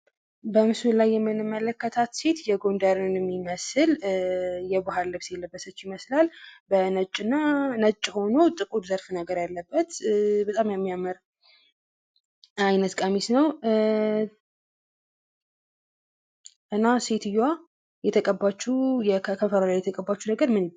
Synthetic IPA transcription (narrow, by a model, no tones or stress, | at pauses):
bəmɨsɨlajːɛmːɨnɨmːələkːət̪ʰat̪se̞t̪jɛɡo̞nd̪aɾɨnɛmːiməsɨl | jɛbaɦalːəβsjɛlːəbːəsət͡ʃːjɪməslalbənət͡ʃʼːɨnːanət͡ʃʼːho̞not̪ʼɨkʼud̪zəɾfɨnəɡəɾjalːəbːət̪bət̪ʼamjɛmːijaməɾ | ajnət̪kʼamisnəw | ʔɨnːase̞t̪ʰɨjːwa | jɛt̪ʰəkʼəbːat͡ʃːujɛkʰəfəɾalajɛt̪ʰəkʼəbːat͡ʃːunəɡəɾmɨn